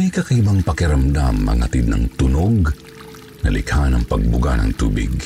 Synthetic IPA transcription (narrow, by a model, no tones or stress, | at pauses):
ɐjkɐkibaŋpɐkɪɾɐmd̪amɐ̰ŋhɐt̪id̪̚nɐ̰ŋt̪ʊnoɡ̚ | nɐlɪkhanɐŋpɐɡ̚bʊɡa̰nɐ̰ŋt̪uːbɪ̰ɡ